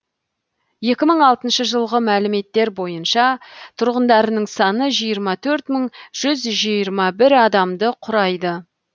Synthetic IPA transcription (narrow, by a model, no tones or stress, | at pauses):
je̞kʲɪməɴɑlˠt̪ənʃəʒəlˠʁəmælɪme̞t̪ːe̞ɾbo̞jənʃɑt̪ʰʊɾʁənd̪ɑɾənəɴsɑnəʒijəɾmɑt̪ʰɵɾt̪məɴʒ̥ʏzʒijəɾmɑbɪɾɑd̪ɑmd̪əqʰʊɾɑjd̪ə